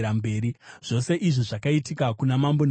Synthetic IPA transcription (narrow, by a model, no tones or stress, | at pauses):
ɾambe̞ːɾiʐ̥o̞se̞ʔiʐiʐakaitikakunamambon